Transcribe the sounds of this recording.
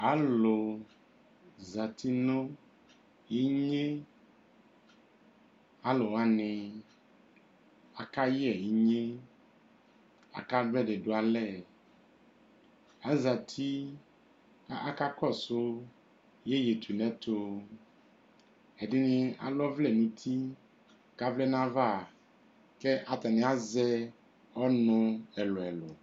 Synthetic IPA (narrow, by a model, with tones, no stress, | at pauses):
a˨˦lo˨ | za˨t̪ʰi˦nõ˦ | i˦ɲe˦ | a˨lo˨wa˦nẽ˨ | a˨ka˦ji˦ɛ˨i˦ɲẽ˦ | a̰˨ka˦bɛ˦ɖe˨ɖo˦a˨lɛ˦˨ | a˦za˨t̪ʰi˦ | a˦a˦ka˦kɔ˦˨so˦ | je˦je˨t̪ʰu˨nɛ̃˦t̪o˦ | e˨di˦nĩ˦a̰˨lɔ˦vlɛ˨nũ˨t̪ʰi˦ | ka˦vlɛ˦nã˦va˦˨ | ke˦ʔa˨t̪a˨nẽ˨a˦zɛ˦ | ɔ˦nɔ̃˦ɛ˨lo˨ɛ˨lo˨